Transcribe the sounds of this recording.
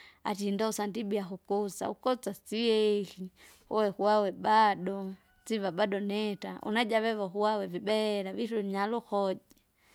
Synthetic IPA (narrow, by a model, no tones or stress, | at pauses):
a̰tindausandibiaxukɔt͡sa̰ukɔt͡sat͡sijɛki | hɔwɛkuwawɛbaɗɔ | t͡siβabadɔnɛta̰ʔṵnad͡ʒaβɛβɔxuwawɛvibɛɾaviɾuɲaluxɔd͡ʒi